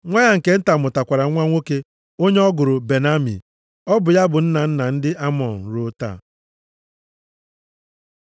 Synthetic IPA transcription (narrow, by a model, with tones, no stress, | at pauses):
ŋʷa˦ɲa˦ŋ̩˨ke˦n̩˦ta˨mʊ˨ta˨kʷa˨ɾa˨˦ŋʷa˦ŋʷo˦ke˦ | o˦ɲe˦ɔ˦ɡʊ˨ɾʊ˨be˨na˦mḭ˨ | ɔ˦bʊ˨ja˦bʊ˨n̩˦na˨n̩˦na˨n̩˦dɪ˦ʔa˦mɔ˨n̩˨ɾo˦ta̰˨